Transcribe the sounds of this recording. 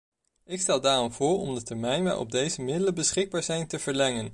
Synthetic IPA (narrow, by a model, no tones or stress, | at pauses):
ɪkstɛlˠdaːrɔmv̥ʊːɹɔ̰mdətɛɹmɛjnʋɛ̰jɔ̰b̚dejzəmɪdələbəsχɪɡ̚baːɹzɛjntəv̥əɹlɛŋən